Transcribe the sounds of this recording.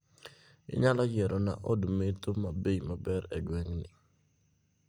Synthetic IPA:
ɪ̰ɲalɔd͡ʒɛɾʔɔna̰ʔɔdmetomabejmabɛɾɛɡwɛŋnɪ

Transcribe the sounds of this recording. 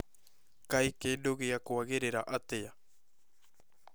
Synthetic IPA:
kajkedoɡeakoaɣeɾeɾaʔat̪eja

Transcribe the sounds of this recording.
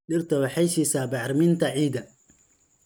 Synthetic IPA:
ɗɪrt̪ʰɐwɑħɛjsiːsaːbɑʕɾmɪnt̪ʰɐʕiːd̪ɐ

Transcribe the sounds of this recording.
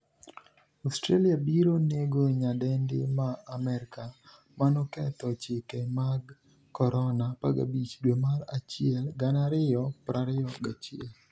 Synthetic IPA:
ostɾaliabiɾoneɡoɲadɛndɪ̰maːmɛɾɪka | manɔkɛt̪ɔt͡ʃɪkɛmaɡ | kɔɾɔnapaɡa̰bit͡ʃdwemalat͡ʃɪɛlɡanaɾɪjɔpɾaɾɪjɔɡat͡ʃɪɛl

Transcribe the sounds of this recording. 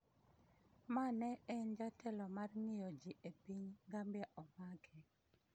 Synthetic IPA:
manɛɛnd͡ʒatʰɛlɔmarŋɪjɔd͡ʒiʔepiɲŋɡambjɛʔɔmakʰɛ

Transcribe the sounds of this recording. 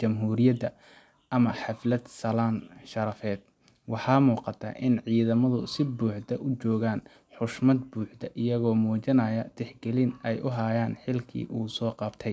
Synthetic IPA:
t͡ʃɐmɦuːɾɪjɐd̪ɐ | ʔɐmɐħɑflɐd̪sɐlaːnʃɐɾɐfɛːd̪̥ | wɑħɑːmuːqɑt̪ʰɐ̰ʔɪnʕiːðɐmɐðʊsɪbuːħd̪ɐʔʊt͡ʃɔːɣaːn | ħʊʃmɐd̪buːħd̪ɐʔɪjɐɣɔːmɔːt͡ʃɪnɐjɐd̪̥ɛħɡɛlɪnɛjʔʊɦajaːnħɪlkʰḭːʔuːsɔːqɑbt̪ʰɛj

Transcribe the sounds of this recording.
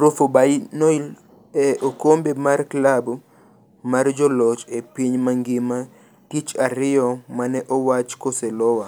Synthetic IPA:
ɾʊfobainoil | ɛʔokombemarklab | mard͡ʒɔlɔt͡ʃepiɲmaŋɡɪma | tit͡ʃaɾɪjɔmanɛʔɔwat͡ʃkoselɔwa

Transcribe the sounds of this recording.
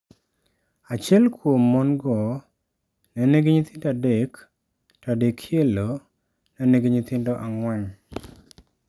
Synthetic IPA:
at͡ʃjɛlkwomːɔnɡɔ | nɛneɡeɲit̪ɪndadek | tadekʰjelo | nɛneɡeɲit̪ɪndɔʔaŋwɛŋ

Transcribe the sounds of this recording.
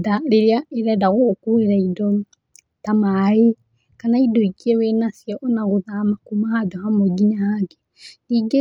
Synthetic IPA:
daɾeɾeaeɾɛdaɣokueɾaidɔ | tamae | kanaidɔikiewenasjɔʔɔnaɣoðamakumahadɔhamɔɡiɲahaɡe | iɡe

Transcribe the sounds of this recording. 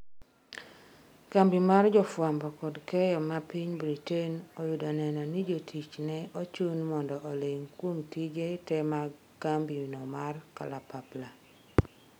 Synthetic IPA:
kambimard͡ʒɔfwambɔkɔdkɛjɔmapiɲbɾitenɔjudɔnɛnɔnid͡ʒotʰit͡ʃnɛot͡ʃunmɔndɔʔːleŋkwomtid͡ʒetɛma | kambinɔmarkalapapla

